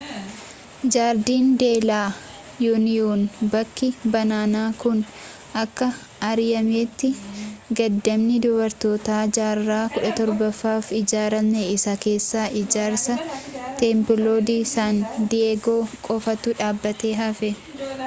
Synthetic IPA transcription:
d͡ʒaːɾd̪iːnd̪e̞ːlaː | juːnɪjuːnbɐkʰːɪbɐnaːnaːkʊn | ʔɐkːɐ | ɐɾɪjɐmeːt̪ːɪɡɐd̪ːɐmnɪd̪ʊbɐɾt̪o̞ːt̪aːd͡ʒaːɾːaːkʊᶑɐt̪ɔɾbɐfːaːfɪd͡ʒaːɾɐmneɪsɐke̞ːsːaːʔɪd͡ʒaːɾsɐt̪eːmpɪloːd̪iːsaːnd̪ɪeɡoːkʼɔfɐt̪ʊᶑaːbːɐt̪e̞ːɦɐfɛ

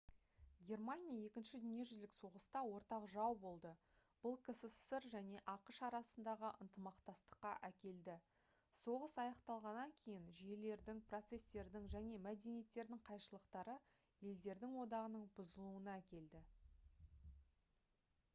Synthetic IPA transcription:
ɡʲe̞rmanijaje̞kʲɪnʃɪd̪ʏnije̞ʒʏzlɪkso̞ʁəst̪ɑwo̞ɾt̪ɑqʒɑwbo̞lˠd̪ə | b̥ʊlˠkʲʰɪsɪssɪɾʒæne̞ʔɑqəʃɑɾɑsənd̪ɑʁəʔənt̪əmɑqt̪ɑst̪ə̥qːɑʔækʲe̞ld̪ɪ | so̞ʁəsɑjɑqt̪ɑlˠʁɑnːɑŋkʲʰe̞jɪnʒije̞le̞ɾd̪ɪŋprot̪se̞st̪e̞ɾd̪ɪŋʒæne̞mæd̪e̞nije̞t̪ːe̞ɾd̪ɪŋqʰɑjʃəlˠəqt̪ɑɾə | je̞ld̪e̞ɾd̪ɪŋwo̞d̪ɑʁənəɴbʊzəlˠuənɑækʲe̞ld̪ɪ

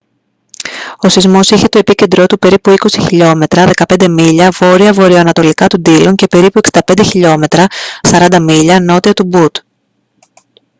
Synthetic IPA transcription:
o̞sizmo̞siçe̞t̪o̞e̞pice̞nd̪ɾo̞t̪upe̞ɾipuiko̞siçiʎo̞me̞t̪ɾɐðe̞kɐpend̪e̞miʎɐvo̞ɾiɐvo̞ɾioɐnɐt̪o̞likɐt̪und̪iloɲce̞pe̞ɾipueki̥d̪ɐpend̪e̞çiʎo̞me̞t̪ɾɐsɐɾɐnd̪ɐmiʎɐno̞t̪iɐt̪ubut̪

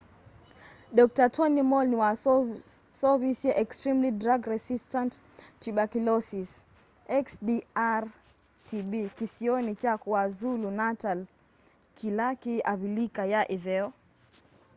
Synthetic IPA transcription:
ɗɔk̚tatʰɔnimɔlniwa | sɔvisɛʔɛkstɾimlidɾaɡɾɛsistanttːiɓakilɔsis | ɛksdiaɾ | tʰiɓikisiɔnit͡ʃakuazulunatal | kʰilakiaβilikajaʔivɛɔ

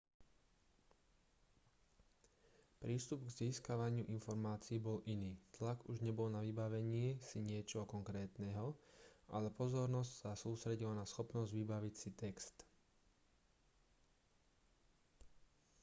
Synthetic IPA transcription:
pɾiːst̪ubɡziːskaʋaɲɪuʔinfɔɾmaːt͡siːbɔlʔiniːt̪laɡuʒɲɛbɔlnaʋibaʋɛɲɪɛsiɲɪɛt͡ʃɔɦɔkɔŋkɾɛːt̪nɛɦɔʔa̰lɛpɔzɔɾnɔscsasuːst̪ɾɛɟilanasxɔpnɔzɟʋibaʋicsit̪ɛkst̪

